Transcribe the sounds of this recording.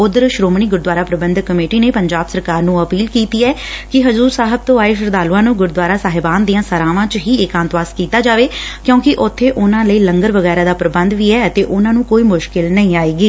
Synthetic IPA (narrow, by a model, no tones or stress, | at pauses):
ʊd̪ɾʃɾoːmɳiːɡʊɾd̪waːɾaːpɾəbənd̪kːəmeːʈiːneːpəɲd͡ʒaːbsəɾkaːɾnũːəpiːlkiːt̪iːɛːkɪɦəzuːɾsaːɦəb̚t̪õːaːeːʃ̬əɾd̪aːlʊãːnũːɡʊɾd̪ʋaːɾaːsaːɦɪbaːnd̪ijãːsəɾaːʋãːt͡ʃɦiːɪkãːnt̪ʋaːskiːt̪aːd͡ʒaːʋeːkjõːkɪʔʊt̪ʰːeːʔʊnãːləiːləŋɡəɾʋəɣɛːɾaːd̪aːpɾəbənd̪ʋiːɛːət̪eːʔʊnãːnũːkoːiːmʊʃkɪlnəĩːaːiːɡiː